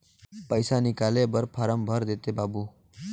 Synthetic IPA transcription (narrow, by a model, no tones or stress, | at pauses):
pəjsanikalebəɾpʰaɾəmbʱəɾd̪et̪ebabuː